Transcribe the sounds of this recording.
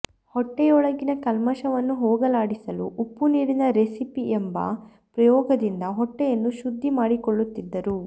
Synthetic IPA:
hɔʈːɛjɔɭɐɡinɐkɐlmɐʃɐʋɐnːuɦoːɡɐlaːɽisɐluʔːpːuniːɽinɐɾesipiembɐ̰ | pɾɐjɔːɡɐd̪ind̪ɐɦɔʈːɛjɐnːuʃud̪ʱːimaːɽikɔɭːut̪ːid̪ːɐɾu

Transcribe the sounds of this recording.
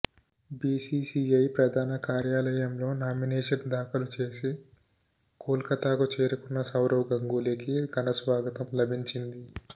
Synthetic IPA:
biːsiːsiːɐjpɾɐd̪ʱaːnɐkaːɾjaːlɐjɐmlo̞ːnaːmineːʂɐnd̪aːkɐlut͡ʃe̞ːsi | kuːlkɐt̪aːkut͡ʃeːɾukunːɐsɐwɾɐwɡɐŋɡuːlikiɡɐnɐsʋaːɡɐt̪ɐmlɐbʱiɲt͡ʃind̪i

